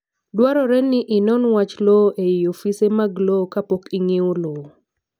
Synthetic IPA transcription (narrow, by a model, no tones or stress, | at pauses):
dwaɾɔɾɛnːɪʔɪnɔnwat͡ʃlɔʔeiofisemaɡlokapokiŋewolo